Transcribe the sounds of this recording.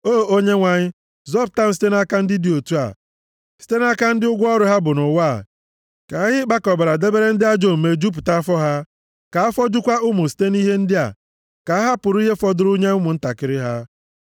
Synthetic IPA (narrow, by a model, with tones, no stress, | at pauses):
oː˦˨o˦ɲe˦ŋʷa˨ɲɪ˦ | zɔ˦˨b̚ta˦m̩˦si̥˦te˦n˦a˦ka˦n̩˦dɪ˦di˨o˨tu˦a̰˨ | si̥˦te˦n˦a˦ka˦n̩˦dɪ˦ʊ˦ɡʷʊ˦ɔ˦ɾʊ˨˦ɦa˦bʊ˨nʊ˨wa̰˦˨ | ka˨˦ɦɪ˦k͡pa˦kɔ˨ba˨ɾa˨de˦be˦ɾe˦n̩˦dɪ˦a˦d͡ʒo˦˨m̩˨me˨d͡ʒu˦p̬ʊ˨ta˦a˦fɔ˦ɦa˦ | ka˨a˦fɔ˦d͡ʒʊ˦kʷa˦ʊ˦mʊ˨si̥˦te˦ni˦ɦe˦n̩˦dɪ˦a̰˨ | ka˨a˦ɦa˦pʊ˨ɾʊ˦i˦ɦe˦fɔ˦dʊ˦ɾʊ˦ɲe˦ʊ˦mʊ˨n̩˦ta˨kɪ˨˦ɾɪ˦ɦa˦